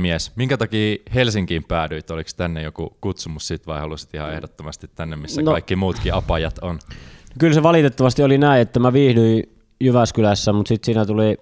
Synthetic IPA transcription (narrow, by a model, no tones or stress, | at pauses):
miesmiŋkæt̪ɑkiːhelsiŋkiːmpæːdyit̪olikst̪ænːejokṵkut̪sumussit̪ʋɑihɑlusi̥t̪ihɑḛhdot̪ːomɑst̪it̪t̪ːænːemmisːænkɑikːimuːt̪kiɑpɑjɑt̪onnokylseʋɑlit̪et̪ːɑʋɑst̪iolinæˑiet̪ːæmæʋiːhdyi | jyʋæskylæsːæmut̪sit̪siːnæt̪uli